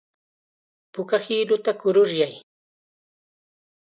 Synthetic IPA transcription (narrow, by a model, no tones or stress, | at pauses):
pʊkahilʊt̪akʊɾʊɾjaj